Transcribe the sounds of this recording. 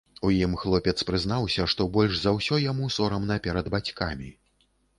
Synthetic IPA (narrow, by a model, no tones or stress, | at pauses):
ujimxlˠɔpʲɛt̪spɾɨzn̪awsʲɐʂt̪ɔbɔlʲʐzɐwsʲɔjamusɔɾɐmnɐpʲɛɾɐd̪bat͡sʲkamʲi